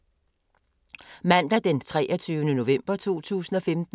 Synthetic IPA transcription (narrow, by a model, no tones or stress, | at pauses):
mæn̰d̥æd̥ent͡sʰʁɛ̰ːʔɒt͡sʰyːʊənəno̝ʋem̰b̥ɐt͡sʰo̝̰ːt͡sʰṵːsn̩ɒ̽femd̥